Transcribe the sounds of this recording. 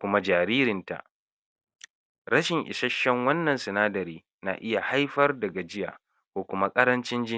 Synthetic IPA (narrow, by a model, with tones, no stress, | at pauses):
kʷʊ˦ma˦d͡ʒaː˨ɾiː˦ɾɪ˨nta̰˨ʔ | ɽɐ˦ʃɪ˨ŋʔɪ̰˨ʃɐ˦ʃːɛ˦ŋwɐ˦nːɐ˨nsɪ˨naː˦dɐ˨ɾiː˦ | na̰˨ʔɪ˦ja˨ha˦jɸɐ˦rdɐ˨ɡa˨d͡ʒɪ˦ja̰ː˨ | kʷoː˨kʷʊ˦ma˦kʼɐ˦ɾɐ˦nt͡ʃɪ˦nd͡ʒɪ˦